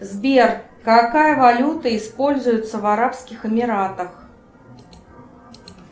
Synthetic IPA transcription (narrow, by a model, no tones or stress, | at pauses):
zbʲɛr | kakajɐvalʲut̪ɐispɔlʲzujʊt̪sːɐvaɾapskʲixɨmʲiɾat̪ɐx